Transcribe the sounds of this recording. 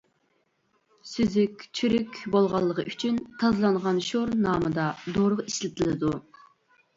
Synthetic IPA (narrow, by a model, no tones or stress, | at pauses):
syzykʲt͡ʃʰyɾykʲbolˠʁɑlˠːəʁəʔyt͡ʃʰynt̪ʰɑzlˠɑɴʁɑnʃoɾnɑːmɨd̪ɑd̪oɾəʁiʃlɪt̪ʰɨlˠɨd̪u